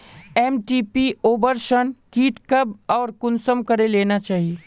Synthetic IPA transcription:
eːmʈipioːbəɾsənkiːʈkəbɔːɾkʊnsəmkəɾeleːnat͡ʃaːɦie

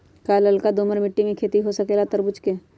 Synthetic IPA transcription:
kaːləlkad̪oːməɾmɪʈːimẽkʰeːt̪iɦosəkeːlat̪əɾbʊt͡ʃkeː

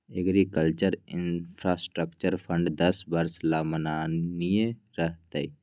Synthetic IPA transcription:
eɡɾikəlt͡ʃəɾɪnpʰɾasʈɾəkt͡ʃəɾpʰə̃ɳɖd̪əsbəɾslaːmənaːnijẽ | ɾəɦt̪ai

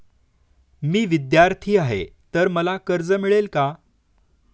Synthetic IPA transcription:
miːʋid̪jaɾt̪ʰiːaɦḛt̪əɾməlakəɾd͡zəmiɭelka

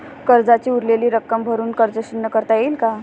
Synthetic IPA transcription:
kəɾd͡zat͡ɕiːuɾleliːɾəkːəmbʱəɾuːnkəɾd͡zəɕinːəkəɾt̪ajeilka

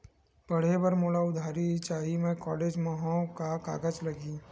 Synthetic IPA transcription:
b̥ɐɽ̤ebɐɾmoːlaʊd̪ʱaːɾit͡ʃaːɦimẽkɔːleːd͡ʒmɐɦõkaka̰ːɡət͡ʃlɐɡiː

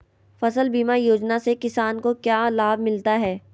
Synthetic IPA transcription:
fɐsəlbiːmajoːd͡ʒnasekɪsaːnkokjaːlaːbmɪlt̪aɦɛː

